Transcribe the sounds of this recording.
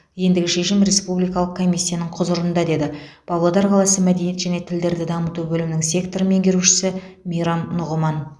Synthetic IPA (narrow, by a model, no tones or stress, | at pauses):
je̞nd̪ɪɡʲɪʃe̞ʃɪmɾe̞spublijkɑlˠəq̚kʰo̞mʲijsʲːijanəɴqʰʊzʊɾənd̪ɑd̪e̞d̪ɪ | b̥ɑblˠod̪ɑɾqʰɑlˠɑsəmæd̪e̞nije̞t̪ʒæne̞t̪ʰɪld̪e̞ɾd̪ɪd̪ɑmət̪ubɵlɪmnɪŋsʲe̞kt̪o̞ɾəme̞ŋɡʲe̞ɾuʃɪ̥sɪ | mijɾɑnːʊʁəmɑn